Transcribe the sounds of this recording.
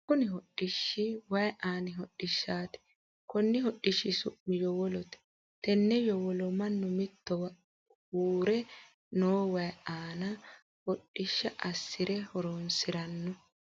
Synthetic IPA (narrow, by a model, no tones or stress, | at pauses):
kʊnɪɦɔɗːɪʃːɪwɐjʔaːnɪɦɔɗːɪʃːaːt̪ɛ̥ | kʊnːɪhɔɗːɪʃːɪsʊʔːɪjɔwɔlɔt̪ɛ̥ | t̪ɛnːɛjɔwɔlɔmɐnːʊmɪt̪ːɔwɐ | uːɾɛ | noːwɐjaːnɐ | hɔɗːɪʃːɐʔɐsːɪɾɛhɔɾoːnsɪɾɐnːɔ